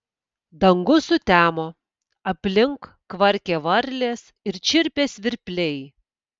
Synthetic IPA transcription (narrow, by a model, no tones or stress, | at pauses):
d̪ɐŋɡʊsʊt̪ʲæːmoː | ɐpʲlʲɪŋkː | ʋɐɾʲkʲeːʋɐɾʲlʲeːs | ɪɾt͡ʃʲɪɾʲpʲeːsʋʲɪɾʲpʲlʲɛɪ